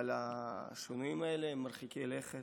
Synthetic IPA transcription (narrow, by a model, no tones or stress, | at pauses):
alaʃonuimaeleemːaɾχikʲileχe